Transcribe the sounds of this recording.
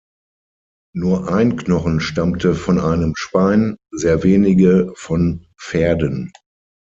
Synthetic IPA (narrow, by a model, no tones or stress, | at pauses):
nuːɐʔaɪnknɔχn̩ʃtamtʰəfɔnʔaɪnəmʃpaɪnzeːɐveːnɪɡəfɔn | feːɐdən